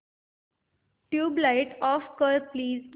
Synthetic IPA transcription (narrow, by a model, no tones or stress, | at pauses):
ʈjuːblaɪʈɔfkəɾpliːz